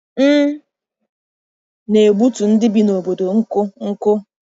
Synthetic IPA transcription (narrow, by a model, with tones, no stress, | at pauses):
m̩˦ | ne˨ɡ͡bu˦tu˨n̩˦dɪ˦bi˦no˨bo˨do˨ŋ̩˦kʊ˦ŋ̩˦kʊ˦